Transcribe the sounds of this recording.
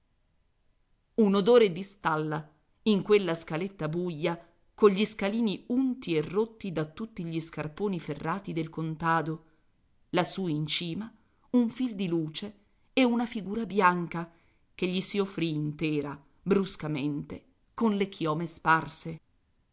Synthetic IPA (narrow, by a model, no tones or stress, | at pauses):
unod̪oːɾed̪ist̪alːa | iŋkwelːaskalet̪ːabujːa | koʎʎːiskaliːniunt̪ierːot̪ːid̪at̪ːut̪ːiʎiskarpoːniferːaːt̪id̪elkont̪aːd̪o | lasuːint͡ʃiːma | uɱfild̪iluːt͡ʃe | ɛunafiɡuːɾabjaŋka | k̟eʎːisiofːɾiːnt̪ɛːɾa | bɾuskament̪e | konlekʰjɔːmesparse